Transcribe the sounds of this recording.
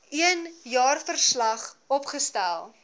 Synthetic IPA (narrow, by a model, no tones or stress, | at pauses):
iənjɑːrfərslɐχɔpχəstælˠ